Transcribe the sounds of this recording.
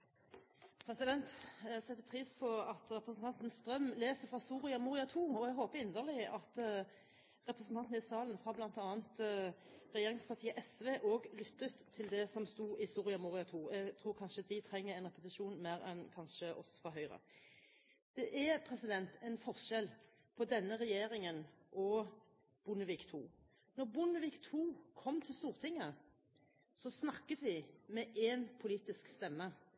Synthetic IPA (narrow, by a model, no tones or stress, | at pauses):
pʰɾɛsɪd̪ɛnt̪sɛt̪ːəpʰʁiːspʰɔɑt̪ʁɛpʁəsn̩t̪ʰɑnt̪nst̪ʁœmleːsəfʁɑsuːʁɪɑmuːʁɪɑt̪ʰuːɔɛɡɦoːpəɪnd̪əʁlɪʔɑt̪ | ʁɛpɾəsn̩t̪ɑnt̪n̩ɪsɑːln̩fɑblɑnt̪ɑːnt̪ | ʁɛjeːʁɪŋspʰɑt̪ʰiːəʔɛsʋeːʔoːɡlʏt̪ːət̪ʰːɪld̪ɛsɔmst̪uːʔɪsuːʁɪɑmuːʁɪɑt̪ʰuːɛɡt̪ʰɾuːɾkʰɑnʃəd̪ɪt̪ʰɾɛŋːəʁɛɪnʁɛpət̪ɪʃuːnmæːɾɛ̰nkʰɑnʃəʔɔ̰sfɔɦœʏʁə̰ | d̪̥ɛʔɛpʰʁɛsɪd̪ɛnt̪ʰɛɪnfɔʁʃɛl | pʰɔd̪ɛnːəʁɛjeːɾɪŋənʔɔ | b̥ʊnəʋiːkt̪ʰṵː | nɔʁbʊnəʋiːkt̪ʰuːkʰɔmːt̪ʰɪlst̪uːʁt̪ʰɪŋːə | sɔsnɑkːət̪ʋɪmɛʔɛnpʰʊliːt̪ɪskst̪ɛmːə